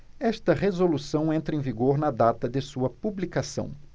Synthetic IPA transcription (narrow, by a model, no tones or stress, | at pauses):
ɛst̪ɐʁezolusɐ̃w̃ẽnt̪ɾɐẽviɡoɾnɐd̪at̪ɐd̪ɪsuɐpublikasɐ̰̃w̃